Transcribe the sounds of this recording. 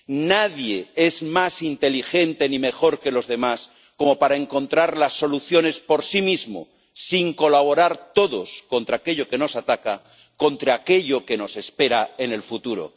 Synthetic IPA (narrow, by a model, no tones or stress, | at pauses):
naðje̞ezmasint̪e̞lixe̞nt̪e̞nime̞xo̞ɾke̞lo̞zðe̞mas | ko̞mo̞paɾae̞ŋko̞nt̪ɾaɾlasːo̞luθjo̞ne̞spo̞ɾsimizmo̰ | siŋko̞laβ̞o̞ɾaɾt̪o̞ðo̞sko̞nt̪ɾake̞ʎoke̞no̞sat̪aka | ko̞nt̪ɾaːke̞ʎoke̞no̞se̞spe̞ɾaene̞lfut̪uɾo̰